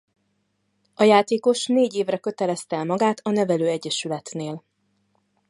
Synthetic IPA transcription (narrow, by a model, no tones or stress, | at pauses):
ʔɒjaːt̪eːko̞ʃneːɟeːvrɛkø̞t̪ɛlɛst̪ɛlmɒɡaːt̪ɒnɛvɛløːɛɟːɛʃylɛt̪neːl